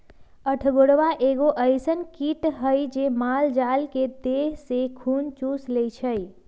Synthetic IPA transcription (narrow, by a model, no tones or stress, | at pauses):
əʈʰɡoɽʋaʔeɡoʔəjsənkiʈɦəjd͡ʒemald͡ʒalked̪eɦsekʰunt͡ʃuslet͡ʃʰəj